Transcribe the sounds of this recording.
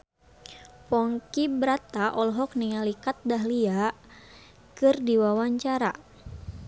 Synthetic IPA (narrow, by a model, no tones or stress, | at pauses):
pɔŋkibɾat̪aʔɔlɦɔk̚niŋalikat̪̚daɦlia | kɨrdiwawaɲt͡ʃaɾa